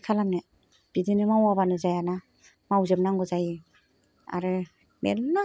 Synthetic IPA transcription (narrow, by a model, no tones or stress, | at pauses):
kʰalamnɯ | b̥idinɯmawabanɯzajana | mawzɯp̚naŋɡɯzaji | a̰ɾɯ | mḛna